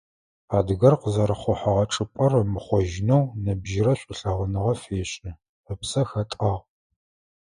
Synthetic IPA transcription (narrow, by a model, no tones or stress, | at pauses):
aːdɨɣɐrqəzɐɾɨχʷʊħɐʁɐʈ͡ʂʼɨpʷʼɐrɐmɨχʷɔʒɪnownɐbʒɪrɐɕʷʼɪɬɐʁʷʊnɨʁɐfeːɕʼɪ | əpsɐxɐtʼɐʁ